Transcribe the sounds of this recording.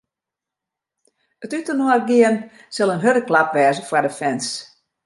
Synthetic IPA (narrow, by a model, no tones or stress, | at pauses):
ətytənɔərɡɪən | sɪlˠənɦøɾdəklapʋɛːzəfwadəfɛns